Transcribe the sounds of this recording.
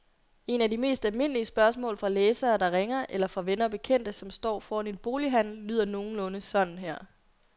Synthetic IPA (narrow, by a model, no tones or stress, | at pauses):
e̝nædime̝̰ːsd̥ælme̝n̰əliəsb̥ɶɐsmɔ̰̽ːlfʁɑ̈leːsɐːd̥ɑ̈ʁeŋɐʔelɐfʁɑ̈ʋenɐb̥e̝kʰen̰d̥əsɒ̽msd̥ɒ̰ːfɒːæne̝db̥o̝ːliɦæn̰l̩ːy̰ːð̰ˠɐno̝ːn̩lɔ̽nəsɒ̽d̥n̩ɦæɐ̰